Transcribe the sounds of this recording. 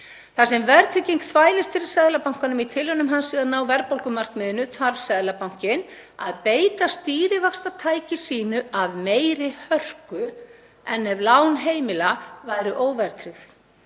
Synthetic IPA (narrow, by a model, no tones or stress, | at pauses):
θasɛmvɛɾt̪ʰɾɪciŋkθvaːjlɪst̪fɪɾɪ̥sɛðlapawŋ̥kanʏmit̪ʰɪlʏnʏmɦansvɪðanaːwvɛɾpowlkʏmar̥kmɪðɪnʏθaɾvsɛðlapawŋ̥cɪn | a̰ðpeːjt̪ast̪iːɾɪvakst̪at̪ʰaːjcɪsiːnʏaðmeːjɾɪhœr̥kʏ | ɛnːɛvlaːwnɦeːjmɪlavaːjɾʏʔoːwvɛɾt̪ʰɾɪθ